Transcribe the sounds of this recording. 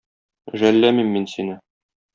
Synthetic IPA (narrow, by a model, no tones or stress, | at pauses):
ʒælːæmimːinsinɘ